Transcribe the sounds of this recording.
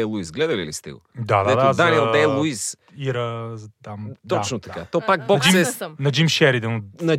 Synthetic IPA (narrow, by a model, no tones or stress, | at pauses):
ɛlˠuisɡlɛd̪ɐlḭlḭst̪ɛ̰ɡo̰d̪ad̪ɛd̪azd̪aniɛlˠd̪ɛlˠuis | iɾəzt̪amt̪ɔat͡ʃnʊt̪ɐkat̪ɔpakbɔɐkd͡ʒsimɛnɐd͡ʒimʃɛɾid̪ənnɐ